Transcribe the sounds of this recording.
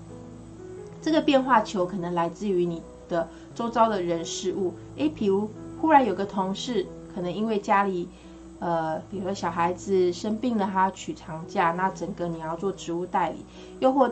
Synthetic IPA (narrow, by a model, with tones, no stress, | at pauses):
ʈ͡ʂɤ˥˩ɡə˩pjɛ˥˧nxwa˥˩t͡ɕʰjo˧˥ʊkʰɤ˨˩nə˧˦ŋla˧˥ɪt͡sɹ̩˥˩˨y˧˥ni˨˩ | d̪̥ə˦ | t͡so˥ʊt͡sɑ˥ʊd̪ə˨ɻə˧˦nʂɻ̩˥˧u˥˩ | e˧˦pʰi˨˩ɻu˧˥xu˥ɻa˧˦njo˨˩i˨ɡə˧t̪ʰo˧˥ŋʂɻ̩˥˩ | kʰɤ˨˩nɤ˧˦ŋi˥nwe˥˩ɪt͡ɕja˥li˨˩˦ | ə˨pi˨˩ɻu˧˥d̪ə˧ɕjɑ˨˩xa˧˥ɪd͡z̩˨ʂə˥npi˥˩ŋlə˨˩t̪ʰa˦˥t͡ɕʰy˨˩ʈ͡ʂʰɑ˧˥ŋt͡ɕja˥˧na˥˨t͡sə˨˩ŋɡə˦ni˨˩jɑ˥˧ʊt͡swɔ˥˩ʈ͡ʂɻ̩˧˦u˥˧t̪a˥˩ɪlḭ˨˩˦ | jo˥˧ʊxwɔ˥˩